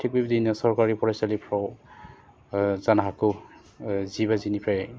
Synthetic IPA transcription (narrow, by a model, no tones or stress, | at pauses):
tʰik̚bibdinasɔɹkaɹipɔɹasalipʰɹɔw | zanaɦakʊ | zibazinipʰɹajɛ